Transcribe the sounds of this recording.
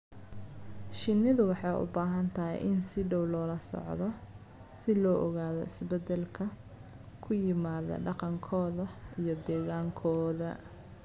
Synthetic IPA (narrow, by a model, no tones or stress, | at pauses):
ʃɪnɪðʊwɑħɑjʔʊ̰baːɦɐnt̪ʰɐɦɛ̰jʔɪnsɪɖɔwlɔːlɐsɔ̰ʕðɔ | sɪlɔːʔɔɣaːðɔ̰ɪsbɛd̪ɛlkʰɐ | kʰʊjɪmaːðɐ̰ɖɑqɑŋkʰɔːðɐijɔd̪ɛːɣaːŋkʰɔːðɐ̰